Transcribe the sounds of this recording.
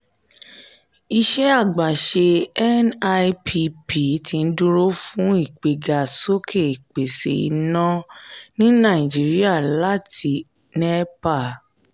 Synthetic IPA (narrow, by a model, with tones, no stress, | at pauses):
i˧ʃɛ˦a˦˨ɡ͡ba˨ʃe˧ɛ˦na˦˧pʰi˧pʰi˨˦ti˧n̩˦dũ˦ɾo˦fũ˦i˦˨k͡pe˨ɡa˨so˦kʰe˦˨i˨k͡pe˨sḛ˨ḭ˧nã˦nĩ˦nã˦˨i˨d͡ʒi˨˦ɾi˦a˦˨la˦tʰi˧˦ | nɛ˦pa˦˨